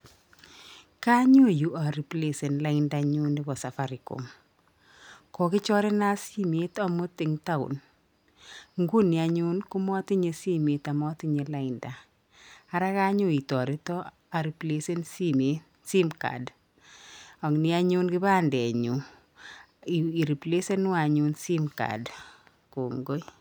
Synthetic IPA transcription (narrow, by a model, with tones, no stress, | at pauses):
ka˦ɲo˦˨ju˦ʔa˨ɾi˨ple˨se˨nla˦ɪnda˨ɲu˦nɪ˦bɔ˨sa˨fa˨ɾi˨ko̰˨m | kɔ˨kɪ˦t͡ʃɔ˦ɾe˦na˦si˦me˨˦ta˦mʊ˦tɪ˨ŋta˦ʊ̰˨n | ŋɡu˦ni˨a˨ɲu˦nku˦mɔ˦ti˦ɲe˦si˦me˨ta˨mɔ˦ti˦ɲe˨la˦ɪnda˨ | a˦ɾa˦ka˦ɲʊ˦i˨tɔ˨ɾe˦tɔ˦ | a˨ɾi˨ple˦se˦nsi˦me˦ | si˦mka̰˨d | ɔ˨ŋnɪ˦a˦ɲʊ˦nkɪ˦ba˦ndɛ˨ɲu˨ | i˨i˨ɾi˨ple˦se˦nʊ˦a˨ɲu˦nsi˦mka̰˨d | ko˨ŋɡo˦j